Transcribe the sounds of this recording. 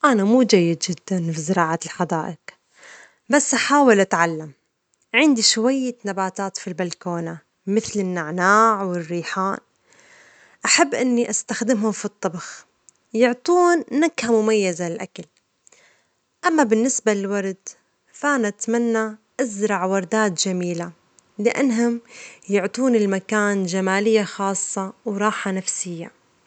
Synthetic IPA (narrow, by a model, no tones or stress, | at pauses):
ʔanamuːd͡ʒajːɪd̪d͡ʒɪd̪ːanfizɪɾɑːʕalħad̪aːʔɪq | basːʔaħaːwɪlʔat̪ʕalːam | ʕɪnd̪iʃwajːanabaːt̪aːt̪filbalkoːna | mɪθlɪnːaʕnaːʕwɪrːiːħaːn | ʔaħabːʔɪnːiʔast̪axd̪ɪmhʊmfit̪ˤːɑbɑx | jʊʕt̪ˤuːnːakhamʊmajːazaɪlʔakal | ʔamːabɪnːɪsbalɪlwɑɾˤd̪ | fanat̪manːaʔazɾˤɑʕwɑɾˤd̪aːt̪ʒamiːla | lɪʔa̰nːɦʊmjʊʕt̪ˤuːnɪlmakaːnʒamaːlɪjːaxɑːsˤːɑwɾˤɑːħanafsɪjːa̰